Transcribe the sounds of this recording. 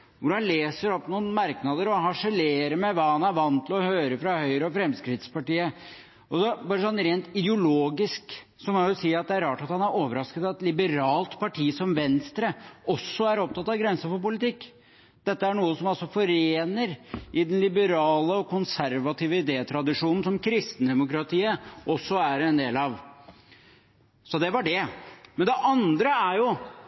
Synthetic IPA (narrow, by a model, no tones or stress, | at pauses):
ʋʊɾɑnleːsəɾɔpːnuːnmɑɾknɑd̪əɾɔɦɑʂəleːɾəmɛʋɑːhɑnæɾʋɑnt̪ʰːɪlɔhøːɾəfɾɑhœʏɾəɔfɾɛmskɾɪt̪spɑʈiːə | ɔsɔbɑːɾəsɔnːɾeːnt̪ɪd̪əʊloːɡɪsk | sɔkɑjʊsiːɑt̪̚d̪ɛæɾɑːʈɑt̪hɑnæɾoːʋəɾɑskət̪ɑt̪lɪbəɾɑːlt̪pʰɑʈʰiːsɔmʋɛnst̪ɾəɔsːɔæɾɔp̚t̪ɑt̪ːɑʋɡɾɛnsəfɔɾpʊlɪt̪ɪkː | d̪̥ɛt̪ːəæɳuːəsɔmɑlsɔfɔɾeːnəɾɪd̪ɛnlɪbəɾɑːləɔkʰʊnsæɾʋɑt̪ʰiːʋəɪd̪eːət̪ʰɾɑd̪ɪʂuːnn̩sɔmkʰɾɪst̪n̩d̪ɛmʊkɾɑt̪ʰiːəʔɔsːɔæɾɛnd̪eːlɑʋ | sɔd̪ɛʋɑɖɛmɛnd̪ɛʔɑnd̪ɾəæɾjʊ